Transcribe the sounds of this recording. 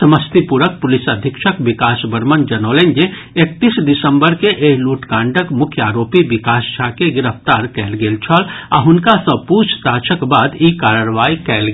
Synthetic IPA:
səməst̪ipuɾək̚pʊlɪsəd̪ʱɪkʃəkʋɪkaːsbəɾmənd͡ʒɐnoːlend͡ʒe | ek̚t̪iːsd̪ɪsə̃mbəɾkeʔeːɦluːʈkãːɳɖəkmʊkʰjəaːɾoːpiʋɪkaːsd͡ʒʱaːkeɡɪɾəft̪aːɾkɛːlɡeːlt͡ʃʰəla̰ːɦʊnkasəpuːt͡ʃʰt̪aːt͡ʃəkbaːd̪iːkaːɾaɾʋaːikɛːl

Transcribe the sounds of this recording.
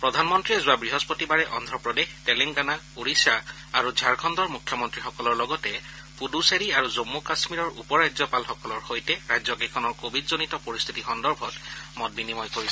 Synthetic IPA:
pɹɔdʱanmɔntɹiɛzʊabɹiɦɔspotibaɹɛʔɔndʱɹɔpɹɔdextɛleŋɡana | uɹisa | aɹuzʱaɹkʰɔndɔɹmukʰːjɔmɔntɹixɔkɔlɔɹlɔɡɔtɛ | puduseɹiaɹuzomːukasmiɹɔɹṵpɔɹazɔpalxɔkɔlɔɹxojtɛɹajzɔkekʰɔnɔɹkobʱidzonitɔpoɹist̪ʰitixɔndɔɹbʱɔtmɔt̚binimɔjkoɹisɛ

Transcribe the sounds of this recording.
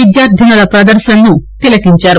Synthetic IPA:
id̪jaɾd̪ʱinalapɾəd̪əɾɕənːut̪elakiɲt͡ɕaɾ

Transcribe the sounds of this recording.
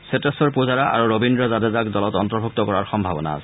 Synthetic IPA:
setɛsɔɹpuzaɹaʔa̰ɹuɹobindɹɔzadɛzakdɔlɔtɔntɔɹbʱuk̚tɔkɔɹaɹxɔmbʱabɔna̰a̰sɛ

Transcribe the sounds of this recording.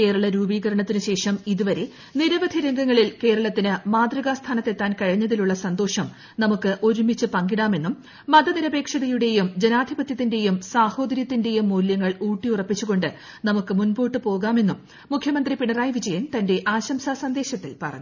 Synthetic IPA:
ke̞ːɾɐɭɐɾuːbiːɣɐɾɐɳɐt̪ːinɨɕe̞ːʂɐmiðuʋɐɾe̞ | niɾɐʋɐd̪ʱiɾɐŋɡɐŋːɐɭilke̞ːɾɐɭɐt̪ːinɨmaːd̪rɐɣaːst̪ʰaːnɐt̪ːe̞t̪ːaːnkɐɻiɲːɐðiluɭːɐsɐnd̪o̞ːʂɐm | nɐmukːɨʔo̞ɾumit͡ɕːɨpɐŋɡiɽaːme̞nːumː | ɐd̪ɐniɾɐbe̞ːkʂɐðɐjuɽe̞jumd͡ʑe̞naːd̪ʱibɐt̪jɐt̪ːinde̞jumsaːho̞ːd̪ɐɾjɐt̪ːinde̞jumːuːljɐŋːɐɭuːʈːiurɐpːit͡ɕːuɣo̞ɳɖɨ | nɐmukːɨmunbo̞ːʈːɨpo̞ːɣaːme̞nːumː | ukʰjɐmɐnd̪ripiɳɐraːjʋid͡ʑɐjɐnt̪ɐnde̞ʔaːɕɐmsaːsɐnd̪e̞ːɕɐt̪ːilpɐ̰rɐ̰ɲːu

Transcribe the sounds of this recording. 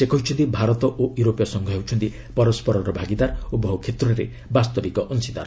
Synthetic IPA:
sekɔɦit͡ʃʰɔnt̪ibʱaɾɔt̪ɔʔojuɾopjɔsɔŋɡʱɔɦewt͡ʃʰɔnt̪i | pɔɾɔspɔɾɔɾɔbʱaɡid̪aɾobʱɔɦukʰet̪ɾɔɾḛ | bast̪ɔbikɔʔɔnsid̪a̰ɾ

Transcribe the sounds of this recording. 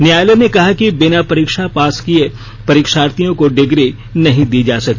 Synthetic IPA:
nɪjaːjlenekɐɦakibɪnapɐɾiːkʃapaːskie | pɐɾiːkʃaːɾt̪ijõkoɖɪɡɾi | nɐɦĩd̪iːd͡ʒaːsɐk̚t̪i

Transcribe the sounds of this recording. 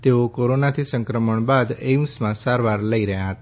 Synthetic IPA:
t̪eokoɾonat̪ʰisə̃ŋkɾəməɳbad̪emsmãsaɾʋaɾləiɾəɦjãɦət̪a

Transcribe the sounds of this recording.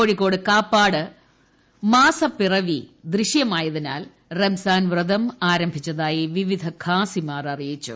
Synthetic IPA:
oːɻikːo̞ːɽɨkaːpːaːɽɨ | maːsɐpirɐʋid̪riɕjɐmaːjɐðina̰ːl | remsaːnʋrɨd̪ɐmaːɾɐmbʱit͡ɕːɐðaːjiʋiʋid̪ʱɐkʰaːsimaːrɐrijit͡ɕːṵ

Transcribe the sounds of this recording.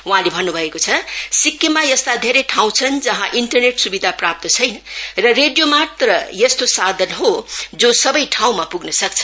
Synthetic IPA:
wuɦãlebʱʌnːubʱʌekot͡sʰʌsikːemajʌst̪ad̪ʱeɾʌjʈʰaw̃t͡sʰʌnd͡zʌɦãʔiɳʈʌrneʈsubid̪ʱaprap̚t̪ʌt͡sʰʌjnʌrʌreɖjomat̪rʌjʌst̪osad̪ʱʌnɦod͡zosʌbʌjʈʰaw̃mapuɡnʌsʌk̚t͡sʰʌ̥

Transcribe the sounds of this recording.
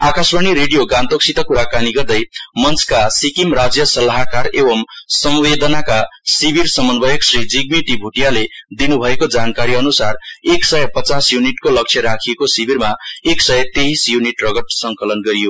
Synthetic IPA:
akasbʌniɾeɽijoɡãnt̪oksit̪ʌkuɾakaniɡʌrd̪ʌjmʌnt͡sʰkasikimrad͡zjʌsʌlaɦakarebʌmsʌmwed̪ʌnakasibirsʌmʌnbʌjʌksrid͡ziɡmiʈibʱuʈijaled̪inubʱʌekod͡zankaɾiʌnusareksʌjʌpʌt͡sasjuniʈkolʌk̚t͡ʃʰjʌɾakʰiekosibʱirmaeksʌjʌt̪eɦisjuniʈrʌɡʌt̪sʌŋkʌlʌnɡʌɾijo

